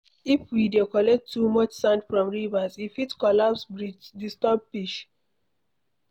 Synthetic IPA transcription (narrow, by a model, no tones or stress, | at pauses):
ifwidekɔlɛk̚tʰːumɔt͡ʃsãndfɹɔ̃mɹivazifitkɔlapsbɹid͡ʒdistɔb̚piʃ